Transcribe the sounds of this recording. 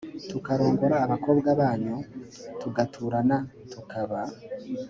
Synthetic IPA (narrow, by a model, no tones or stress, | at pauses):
tukaɾo̞ːŋɡo̞ɾaːβako̞ːbɡaβaːɲu | tuɡatʰuːɾana | tukʰaβa